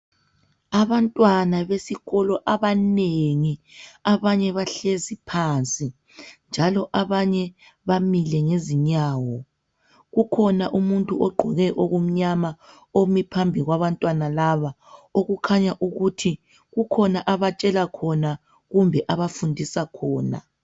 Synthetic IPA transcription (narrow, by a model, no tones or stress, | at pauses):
aβantʼwanaβesiɣɔlɔʔaβaneŋiaβaɲɛβaɬezipʰant͡sʼi | nd͡ʒʱalɔʔaβaɲɛ | βamilɛŋeziɲaːwɔ | ɣukʰɔnaʔumuntʼuʔɔɡ͡ǃʱɔɣɛʔoɣum̩ɲama | omipʰambʱiɣwaβantʼwanalaβaoɣukʰaɲaʔuɣutʰi | ɣukʰɔnaʔaβat͡ʃʼɛlakʰɔna | ɣumbʱɛʔaβafundʱisakʰɔːna̰